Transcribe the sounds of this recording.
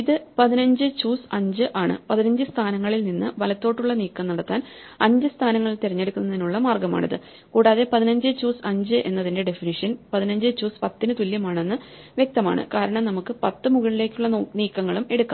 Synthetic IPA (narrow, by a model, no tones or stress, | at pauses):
iðɨpɐðinɐɲd͡ʑɨt͡ɕuːsɐɲd͡ʑɨʔaːɳɨ̰pɐðinɐɲd͡ʑɨst̪ʰaːnɐŋːɐɭilninːɨʋɐlɐt̪ːo̞ːʈːuɭːɐniːkːɐmnɐɽɐt̪ːaːn | ɐɲd͡ʑɨst̪ʰaːnɐŋːɐɭt̪eɾɐɲːe̞ɽukʲːunːɐðinuɭːɐmaːrɡɐma̰ːɳḭðɨ̰ | kuːɽaːðe̞pɐðinɐɲd͡ʑɨt͡ɕuːsɐɲd͡ʑɨʔe̞̰nːɐðinde̞ɖe̞finiʂɐnpɐðinɐɲd͡ʑɨt͡ɕuːspɐt̪ːinɨt̪uljɐmaːɳe̞nːɨʋjek̚t̪ɐma̰ːɳɨ̰kaːɾɐɳɐmnɐmukːɨpɐt̪ːɨmuɣɐɭile̞ːkʲːuɭːɐniːkːɐŋːɐɭume̞ɽukːa